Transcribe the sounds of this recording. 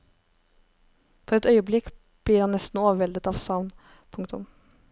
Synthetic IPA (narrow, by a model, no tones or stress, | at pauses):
fɔɾɛt̪œʏəblɪk | b̥ɽiːɾhɑnnɛst̪n̩oːʋəʋɛld̪ət̪ɑːʋsɑʋn | pʰʊŋkt̪ʰʊ̰m